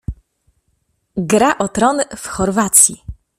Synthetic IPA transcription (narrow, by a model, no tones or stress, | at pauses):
ɡɾaʔɔt̪ɾɔnfxɔɾvat̪sʲjḭ